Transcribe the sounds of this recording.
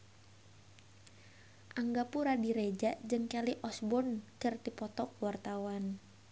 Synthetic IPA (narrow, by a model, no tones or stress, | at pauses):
ʔaŋɡapuɾadiɾed͡ʒaʔd͡ʒɨŋkaliʔɔsbɔnkərt̪ipɔt̪ɔkwart̪awan